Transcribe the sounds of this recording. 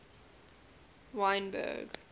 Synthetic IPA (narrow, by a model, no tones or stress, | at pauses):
wãɪ̃nbə̰ɡ